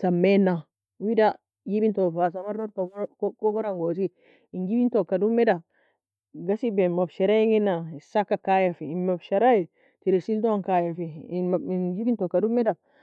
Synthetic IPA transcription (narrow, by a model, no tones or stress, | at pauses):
samːenːa | wida | jibintofas̬amaɾnoɾkkoɡoɾaŋɡos̬i | inɡibintokːadumːeda | ɡasibemabʃeɾajiŋɡinːasakːakajafiimːabʃeɾai | tiɾisiltonkajafinɡibintokːadumːeda